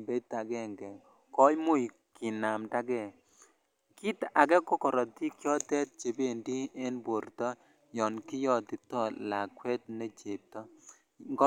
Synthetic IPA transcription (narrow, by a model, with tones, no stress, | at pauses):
be˦ta˨ɡɛ˦˨ŋɡɛ˨ | kɔ˦jmʊ˦i˨ | kɪ˨na˨mda˦ɡɛ˦˨ | ki˦ta˨ɡɛ˦kɔ˦kɔ˨ɾɔ˨ti˦kjɔ˦tɛ˦t̚t͡ʃe˨be˦˨ndi˦e˦nbo˨ɾtɔ˦ | jɔ˨nkɪ˦jɔ˦tɪ˨tɔ˦la˨kwɛ˦t̚ne˦t͡ʃe˨tɔ˦ | ŋɡ